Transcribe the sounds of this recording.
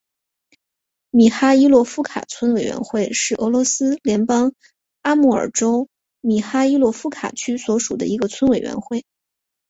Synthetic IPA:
mi˨˩xa˥i˥lwɔ˥˧fu˥kʰa̰˨˩t͡sʰwə˥nwe˨˩ɪɥɛ̰˧˥nxwe˥˧ɪʂɻ̩˥˩ʔɤ˧˥lwɔ˧˥sɹ̩˥ljɛ˧˥npɑ˥ŋ | a˥mu˥˩ə̰˞˨˩ʈ͡ʂo˥ʊ | mi˨˩xa˥i˥lwɔ˥˧fu˥kʰa̰˨˩t͡ɕʰy˥swɔ˧˥ʂu˨˩d̪ə̰˦i˧˥ɡə˧t͡sʰwə˥nwe˨˩ɪɥɛ̰˧˥nxwe˥˩ɪ

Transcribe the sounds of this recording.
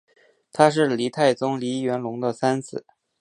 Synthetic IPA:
t̪ʰa˥ʂ̬ɻ̩˥˩li˧˥t̪ʰa˥˩ɪt͡sʊ˥ŋli˧˥ɥɛ˧˥nlʊ˧˥ŋd̪ə˧sa˥nt͡sʰɹ̩˨˩˦

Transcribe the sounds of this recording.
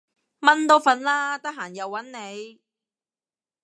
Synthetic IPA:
mɐ˥nt̪o˨˥wfɐ˨˧nlaː˥t̪ɐ˥k̚ɦaː˨˩njɐ˨wːɐ˨˥nne˨˧j

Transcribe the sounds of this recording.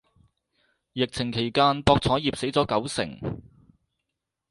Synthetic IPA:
jɪ˨k̚t͡sʰɪ˨˩ŋkʰe˨˩jkaː˧npɔː˧k̚t͡sʰɔː˨˥jiː˨p̚se˨˥jt͡sɔː˨˥kɐ˨˥wsɪ̰˨˩ŋ

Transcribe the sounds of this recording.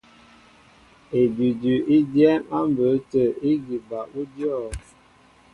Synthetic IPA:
e˨dʉ˨dʉ˨ʔi˦djɛ˦ŋa˦m˨bə˨˦tə˨i˦ɡi˨ba˨ʔu˦djɔ˦˨

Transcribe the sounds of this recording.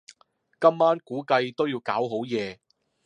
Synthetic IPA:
kɐ˥mːaː˥nkuː˨˥kɐ˧jt̪o˥wjiː˧wkaː˨˥wɦo˨˥wjɛː˨˧

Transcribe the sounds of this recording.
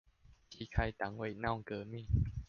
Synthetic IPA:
t͡ɕʰi˨˦˩kʰa˧jt̪a˨˦ŋwe˧˩na˥˩wŋkɤː˧˩mi˥˨

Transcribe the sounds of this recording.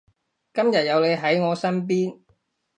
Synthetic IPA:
kɐ˥mjɐ˨t̚jɐ˨˧wle˨˧jɦɐ˨˥jŋɔː˨˧sɐ˥np̬iː˥n

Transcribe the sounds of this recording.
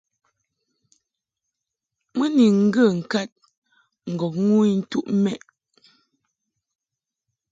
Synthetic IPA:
mə˦ni˨ŋ̩˦ɡə˦˨ŋ̩˨ka˦t̚ | ŋ̩˨ɡɔ˨k̚ŋu˦n̩˦tu˦ʔmɛ˦˨ʔ

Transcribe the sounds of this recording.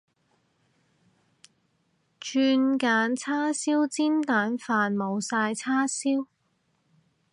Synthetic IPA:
t͡ʃyː˧nkaː˨˥nt͡sʰaː˥siː˥wt͡siː˥nt̪aː˨˥nfaː˨nmo˨˧wsaː˧jt͡sʰaː˥siː˥w

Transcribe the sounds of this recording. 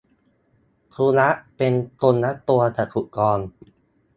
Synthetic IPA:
kʰuː˧la˦˥ʔpe˧nko˧nːa˦˥t̪u˧ɐt̪ʰa˨˩kʰu˨˩kɔː˧n

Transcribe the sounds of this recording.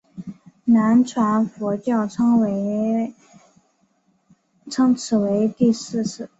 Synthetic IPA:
na˧˥nʈ͡ʂʰwa˧˥nfu˧˥t͡ɕjɑ˥˩ʊʈ͡ʂʰɤ˥ŋwe˧˥ɪ | ʈ͡ʂʰɤ˥ŋt͡sʰɹ̩˨˩we˧˥ɪt̪i˥˧sɹ̩˥˧ʂɹ̩˥˩

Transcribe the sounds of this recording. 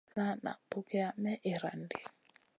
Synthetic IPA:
na˦na̰˨pʊ˦kɪ˦a˦mɛ˦ʔɪ˨ɾa˨ndɪ̰˨

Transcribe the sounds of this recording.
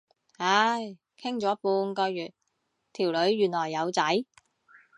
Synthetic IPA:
ha˨˧˥j | kʰɪ˥ŋt͡sɔː˨˥puː˧nkɔː˧jjyː˨˩t̚ | t̪ʰiː˨˩wlɵ˨˧ɥːyː˨˩nlɔː˨˩jːɐ˨˧wt͡sɐ˨˥j

